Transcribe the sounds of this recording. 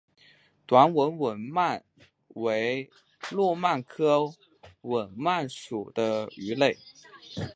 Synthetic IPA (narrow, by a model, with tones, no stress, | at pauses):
t̪wa˧˥nwə˧˥nwə˨˩nma˥˩n | we˧˥ɪ | lwɔ˥˧ma˥˩nkʰɤ˥ | wə˨˩nma˥˩nʂu˨˩d̪̥ə˦y˧˥le˥˩ɪ